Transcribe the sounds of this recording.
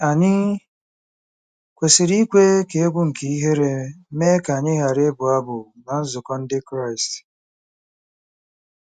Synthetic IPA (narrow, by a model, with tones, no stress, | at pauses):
a˨ɲɪ˦ | kʷe˨sɪ˨ɾi˦kʷe˦ke˨e˦ɡʷʊ˦ŋ̩˨ki˨i˦ɦe˦ɾe˦me˦ka˨ɲɪ˦ɦa˨ɾe˦bʊ˨a˦bʊ˨na˨n̩˦zʊ˨kɔ˦n̩˦dɪ˦kɾa˦˨ɪ˨st